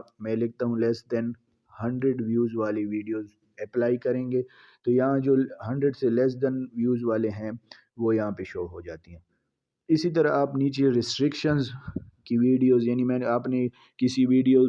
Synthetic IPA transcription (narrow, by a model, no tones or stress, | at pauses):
mɛ̃ːlɪk̚t̪aɦũlɛːsd̪ɛ̃n | hɐ̃ɳɖɾeɖʋjuːzʋaːleʋiːɖijoːz | ɛplaːikɐɾẽːŋɡeː | t̪ojɐɦãd͡ʒoːɦɐ̃ɳɖɾəɖselɛːs̬d̪ɛ̃nʋjuːzʋaːleɦɛ̃ | ʋoːjɐɦãpeʃoːɦod͡ʒaːt̪iɦɛ̃ː | ɪsit̪ɐɾaaːpniːt͡ʃeɾɪsʈɾɪkʃənzkiʋiːɖijoːzjaːnimɛ̃ːaːpne | kɪsiʋiːɖijoː